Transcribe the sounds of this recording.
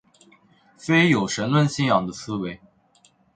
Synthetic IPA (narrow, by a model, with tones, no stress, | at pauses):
fe˥ɪjo˨˩ʊʂə˧˥nlwə˥˧nɕi˥njɑ˨˩ŋd̪ə˦sɹ̩˥we˧˥ɪ